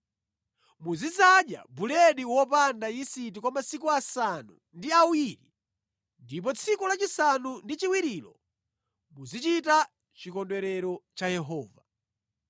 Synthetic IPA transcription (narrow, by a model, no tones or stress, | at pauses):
muzizaɗja̰bulɛɗiwɔpandajisit̬ikwɔmasikuasanṵ | ndiawiɾi | ndip̬ɔt͡sʰikulat͡ʃisanundit͡ʃiwiɾiːlɔ | muzit͡ʃita | t͡ʃikɔndwɛɾɛɾɔt͡ʃajɛɦɔːva